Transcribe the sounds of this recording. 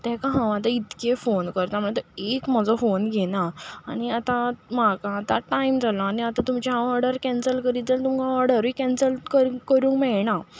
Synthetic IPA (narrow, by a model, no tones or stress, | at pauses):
t̪ɛ̃kãɦãʋat̪ait̪kefonkəɾt̪amuɭet̪ɔekm̤əd͡zɔfonɡʱenaːɽ̃iat̪ãmakãːt̪aʈaimd͡zʱalaːniat̪ãt̪umt͡ɕaãɔɾɽəɾkɛ̃nsəlkəɾit̪elt̪umkãɔɾɽəɾʋikɛ̃nsəlkəɾkəɾũːŋkmɛɭna